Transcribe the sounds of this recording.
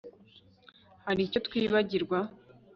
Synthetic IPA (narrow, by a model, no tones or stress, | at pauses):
haɾico̞t̪kwiːβaɟiɾɡwa